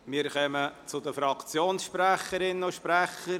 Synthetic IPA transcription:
mɪːɾχœmət͡sʊd̪əfɾɑkt͡sjoːnsʃpræχəɾɪnəʃpɾæχəɾ

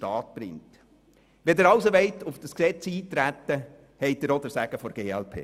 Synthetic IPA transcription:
tɑːt̪̚b̥ɾɪ̰ŋt̪ | ʋed̪ɛːɾɑwsoʋɛɪt̪ʊfd̥ɑsksɛt͡siːtɾæt̪ːə | hɛɪt̚ɪɾɔd̪əɾsæɡ̥əfɔɾɡ̥eːɛlpʰḛː

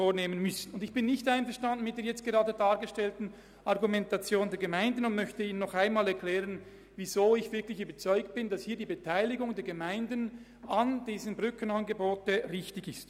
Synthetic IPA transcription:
oːneːmənmʏsən̩ʊndɪçb̥ɪnːɪçtaɪnfɛɐʁʃtandn̩mɪt̚d̥eːɐjɛt͡st̚ɡ̥eʁɑːdədaːɾɡəʃtɛltn̩ | ʔɑʁɡumɛntɑt͡sjoːndɛːɐɡemaɪndən̩ʊntmœçtəiːnənːɔχaɪnmaːlɛɐʁkʰlɛːʁən | vizoːɪçv̥ɪɐklɪçyːbɐt͡sɔʏkt̚b̥ɪndɑshiːɐdiːbetʰaɪlɪɡʊŋdeɛːɐɡemaɪndən | ɑnd̥iːzənbʁʏkʰənɑnɡəboːtəʁɪçtɪçɪst

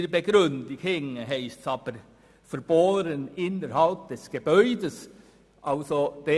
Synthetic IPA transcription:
ɾbəɡ̥ɾʉndɪɡhɪŋəɦæɪst̪sɑːb̥əɾ | fœɾb̥oːɾənɪnəɾhɑlp̚d̥̪ɛsɡ̥əbœʏdəs | ʔɑlsod̥ɛ

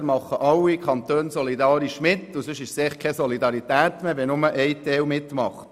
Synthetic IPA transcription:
ɾmɑχːəʔɑlwːikʰχɑnt̪øːnsɔlid̪ɑːɾiʃmɪt̪ːusøʃɪʃseχkʰɛsɔlid̪ɑɾit̪æːt̪meːʋɛnʊməʔɛjt̪ɛːwmɪt̪mɑχt

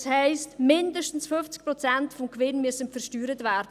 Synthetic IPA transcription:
shɛɪstmɪndəʃtn̩sfʏft͡sk̚pɾɔt͡sɛntfɔmkvɪnmyəsənfəɾʃtyːɾətvæːɾdə

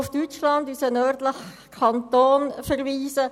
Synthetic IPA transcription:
ʊfd̥yt͡ʃlɑndysənœːrdləx | kʰɑnt̪oːnfɛɾʋiːsə

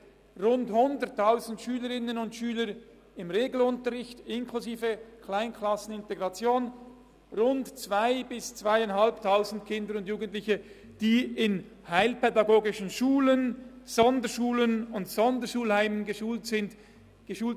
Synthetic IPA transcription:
ʁʊnthʊndətʰːaʊzn̩tʃyːləɾɪnənʊntʃyːləɾ | ɪmʁeːɡl̩ʊntəʁɪçtɪnkʰluziːvəkʰlaɪnkʰlɑsn̩ɪnteɡʁɑt͡sjoːn | ʁʊntt͡svaɪbɪst͡sv̥aɪaɪnɦalptʰaʊzn̩dkʰɪndəɾʊndjuːɡən̩tlɪçə | d̥iːɪn | haɪlpɛdɑɡoːɡɪʃən̩ʃuːlənz̥ɔndəʃuːlənʊntsɔndəʃuːlhaɪmənɡəʃuːɪnd | ɡ̥əʃuːlt

